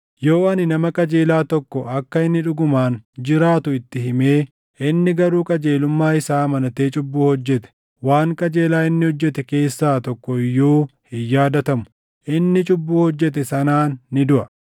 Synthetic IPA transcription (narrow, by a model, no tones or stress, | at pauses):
joːɐnɪnɐmɐkʼɐd͡ʒe̞ːlaːt̪ɔkːɔʔɐkːɐɪnːɪᶑʊɡʊmaːnd͡ʒɪɾaːt̪ʊɪt̪ːɪhɪme̞ː | ʔɪnːɪɡɐɾuːkʼɐd͡ʒe̞ːlʊmːaːɪsaːmɐnɐt̪eːt͡ʃʼʊbːuːhɔd͡ʒːɛt̪ɛ̥ | waːŋkʼɐd͡ʒe̞ːlaːɪnːɪhɔd͡ʒːɛt̪ɛke̞ːsːaːt̪ɔkːɔjːoːhɪjːaːd̪ɐt̪ɐmʊ̥ | ʔɪnːɪt͡ʃʼʊbːuːhɔd͡ʒːɛt̪̬ɛsɐnaːnːɪd̪ʊʔɐ